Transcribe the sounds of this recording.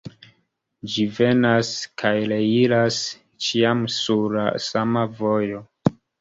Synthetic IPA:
d͡ʒive̞naskʰajle̞ilas | t͡ʃiamsuɾla̰samavo̞jo̞

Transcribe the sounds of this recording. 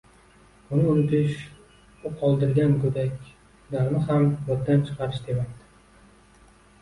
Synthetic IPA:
ʊnɪʊnɪt̪ʰɪʃ | ʊqʰɒlˠd̪ɪɾɡʲankʰɵd̪akʲ | d̪aɾmɪɦambɒt̪̚d̪ant͡ʃʰɨ̥qʰɑɾɪʃd̪emapt̪ɪ̥

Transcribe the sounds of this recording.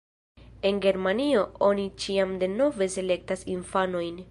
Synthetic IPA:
e̞nɡe̞ɾmanio̞o̞nit͡ʃiamde̞no̞ve̞se̞le̞k̚tasinfano̞jn

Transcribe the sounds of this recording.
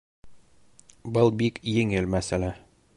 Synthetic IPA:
bɤlˠbikjɘ̆ŋɘlmæsælæ

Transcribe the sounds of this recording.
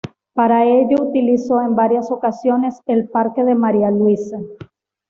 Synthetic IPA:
paɾae̞ʝout̪iliso̞e̞mbaɾjaso̞kasjo̞ne̞se̞lpaɾke̞ðe̞maɾialwisa

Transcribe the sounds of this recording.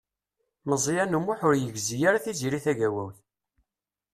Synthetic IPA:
məzˤjænumuħʊɾjəɡzijaɾaθiziɾiθæʝæwæ̰wθ

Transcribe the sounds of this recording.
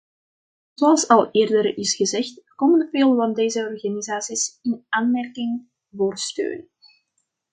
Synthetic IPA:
zoɑlˠsɑlˠʔeːrdəɾɪsɣəzɛxtkɔmənveːlˠvɑndeːzəɔrɣanizaːsisɪnaːnmɛrkɪŋ | voːrstø̰ːn

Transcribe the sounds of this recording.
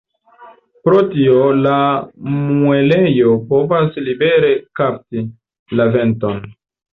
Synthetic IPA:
pɾo̞tiolamue̞le̞jo̞po̞vaslibe̞ɾe̞kap̚ti | lave̞nto̞n

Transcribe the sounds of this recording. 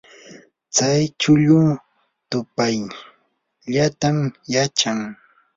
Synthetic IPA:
t͡sajt͡ʃʊʎʊː | t̪ʊpaj | ʎat̪aŋjat͡ʃaŋ

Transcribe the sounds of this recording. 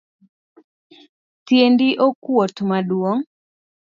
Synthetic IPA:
tjendiʔokwot̪madwoŋ

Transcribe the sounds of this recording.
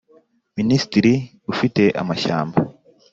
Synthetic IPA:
minisi̥tiɾi | ufite̞ʔa̰maʃa̰ːmba

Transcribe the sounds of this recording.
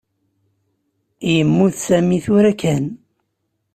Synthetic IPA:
ijəmːuθsæmiθʊɾækæn

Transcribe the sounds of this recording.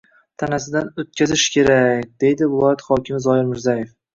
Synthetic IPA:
t̪ʰanasɪd̪anot̪̚kʲʰazɪʃkʲʰe̞ɾakʲd̪e̞jd̪ɪvɪlˠɒjat̪χɒkʲʰɪmɪzɒɪɾmɪɾzaje̞f

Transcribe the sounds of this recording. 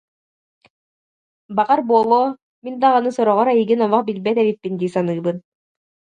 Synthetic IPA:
baʁaɾbuɔlˠoː | mind̪aʁanɯsɔɾɔʁɔɾajiɡinɔmaχbilbɛt̪̬ɛβit̪̚pːind̪iːsanɯːbɯn

